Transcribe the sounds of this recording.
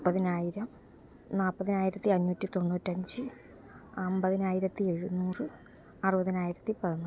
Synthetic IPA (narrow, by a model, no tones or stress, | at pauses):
pːɐðinaːjiɾɐm | naːɭpːɐðinaːjiɾɐt̪ːiɐnːuːtːit̪o̞nːuːtːɐɲd͡ʑɨ | ɐmbɐðinaːjiɾɐt̪ːie̞ɻunuːrɨ | ɐrɨbɐðinaːjiɾɐt̪ːipɐðɐnːu